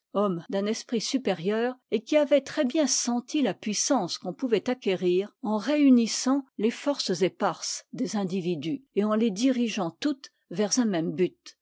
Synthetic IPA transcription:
ɔmd̪ɛ̃nɛspχisypeʁjœːʁekʲiavɛt̪χɛbjɛ̃sɑ̃t̪ilapɥisɑ̃skɔ̃puvɛt̪akʲeʁiːʁɑ̃ʁeynisɑ̃lefɔʁszepaʁsd̪ezɛ̃d̪ivid̪yeɑ̃led̪iʁiʒɑ̃t̪ut̪ | vɛʁzɛ̃mɛmbyt̪

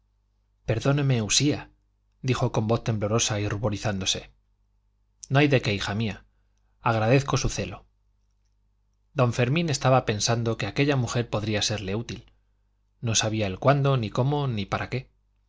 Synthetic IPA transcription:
pe̞ɾðo̞ne̞me̞usia | d̪ixo̞ko̞mbo̞θt̪e̞mblo̞ɾo̞sairuβo̞ɾiθand̪o̞se̞ | noajðe̞ke̞ixamia | aɣɾað̞e̞θko̞suθe̞lo̞ | d̪õ̞ɱfe̞ɾmĩne̞st̪aβape̞nsand̪o̞ke̞ake̞ʎamuxe̞ɾpo̞ðɾiase̞ɾle̞ut̪il | no̞saβiaelkwand̪o̞niko̞mo̞nipaɾake̞

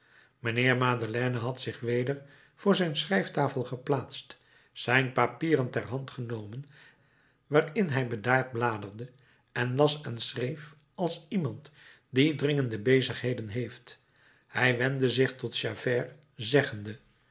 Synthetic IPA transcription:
mənɪːɹmaːdəlɛːnəɦɑtsɪχʋejdəɹ | v̥ʊːɹzɛjnsrɛjftaːfəlˠχəplaːtst | sɛjnpapiːrəntɛrɦɑntχənowmən | ʋaːrɪnɦɛjbədaːɹd̚blaːdərdə | ɛnlɑsɛnsrejf | ɑlˠsimɑnt | didrɪŋəndəbejzəχɦejdənɦejft | hɛjʋɛndəzɪχtɔtʃavɛːr | zɛχəndə

